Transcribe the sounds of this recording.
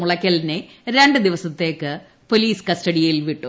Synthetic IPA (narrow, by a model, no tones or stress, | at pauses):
uɭɐkʲːɐlineɾe̞ɳɖɨd̪iʋɐsɐt̪ːe̞ːkːɨ | po̞liːskɐsʈɐɽijɐjilʋiʈːu